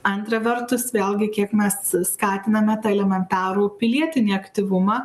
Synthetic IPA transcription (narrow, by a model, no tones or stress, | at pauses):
ɐnt̪ɾɐʋʲɛɾt̪ʊsʋʲeːlʲɡʲɪkʲiɛkmʲɛsskɑːt̪ʲɪnɐmʲɛt̪ɐɛlʲɛmʲɛnt̪ɑːɾuːpʲɪlʲiɛt̪ʲɪnʲiːɐkt̪ʲɪʋʊmɑ